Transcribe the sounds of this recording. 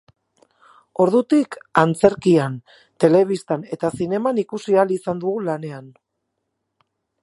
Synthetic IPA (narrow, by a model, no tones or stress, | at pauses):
o̞ɾðut̪ikant͡se̞ɾkian | t̪e̞le̞β̞ist̪ane̞t̪asine̞manikusialisand̪uɣulane̞an